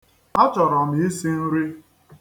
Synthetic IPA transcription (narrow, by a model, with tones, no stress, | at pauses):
a˦t͡ʃɔ˨ɾɔ˨m˨i˦si˦n̩˦ɾi˦